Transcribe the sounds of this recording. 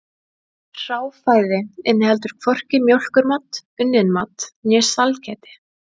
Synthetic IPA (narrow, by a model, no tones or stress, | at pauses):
r̥aːwfaːjðɪɪnːɪhɛlt̪ʏɾ̥kʰvɔr̥cɪmjowl̥kʏɾmat̪ʏnːɪnmat̪njɛ̥salcɛːt̪ɪ̥